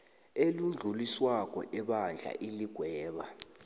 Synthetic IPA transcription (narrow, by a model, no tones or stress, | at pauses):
elund͡ɮʱuliswak̬ʼɔ̰ʔɛɓand͡ɮʱa̰ʔiliɡ̥ʱwɛːɓa